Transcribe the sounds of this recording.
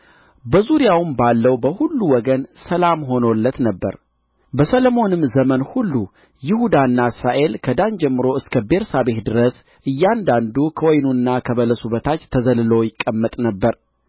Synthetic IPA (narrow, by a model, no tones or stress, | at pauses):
bəzuɾijawɨmbalːəwbəhulːuwɔɡənsəlamɦo̞no̞lːət̪nəbːə̰ɾ | bəsəlomo̞nɨmːzəmənhulːu | jɪhud̪anːaɨsɾaʔe̞lkʰəd̪aɲd͡ʒɛmːɨɾo̞ɨskʰəbe̞ɾsabe̞t̪d̪ɨɾəs | ʔɨjːand̪and̪ukʰəwɔjnunːakʰəβələsuβət̪ʰat͡ʃːt̪ʰːəzəlɨlojɪkʼːəmːət̪ʼnəbːəɾ